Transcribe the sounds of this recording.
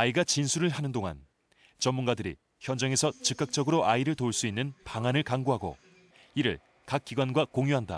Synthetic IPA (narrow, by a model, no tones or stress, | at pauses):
aiɡat͡ɕinsʰuɾɯɭɦanɯndoŋa̰n | t͡ɕʌmːunɡadɯɾḭ | çjʌnd͡ʑaŋe̞sʰʌt͡ɕɯk͈ak̚t͡ɕ͈ʌɡɯɾoʔaiɾɯɭtouɭs͈uinːɯnpaŋanɯɭkaŋɡoɦaɡo̰ | iɾɯ̰ɭ | kak̚k͈iɡwanɡwakoŋjuɦanda̰